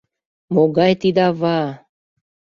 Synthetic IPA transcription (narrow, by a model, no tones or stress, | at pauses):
moɡɑjt̪id̪ɑβɑ